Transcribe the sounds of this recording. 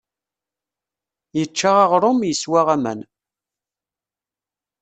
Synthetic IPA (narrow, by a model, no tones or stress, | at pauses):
jət͡ʃːaʁaʁɾˤʊmjəswaʁæmæ̰n